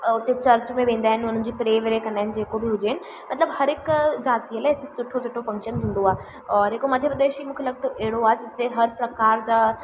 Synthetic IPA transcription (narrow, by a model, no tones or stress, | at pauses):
ʊt̪et͡ɕɐɾt͡ɕmẽʋẽːn̆d̪aːɦɪnɪʊn̤ən̆d͡ʑiːpɾeːʋeɾekɐ̃nd̪aːɦɪnɪ̆d͡ʑeːkobɪɦʊd͡ʑeɦɪnɪ̆ | mɐt̪ləbhɐɾɪkd͡ʑaːt̪iəlaːɦɪt̪esʊʈʰosʊʈʰːofɐ̃ŋkʃənt̪ʰĩːn̆d̪oaːɦe | ɔːɾɦɪkomɐd̪ʱjəpɾəd̪eːʃimũːkʰelɐɡ̚t̪oʔɛɦɪɽoaːɦd͡ʑɪt̪eɦɐɾpɾɐkaːɾd͡ʑaː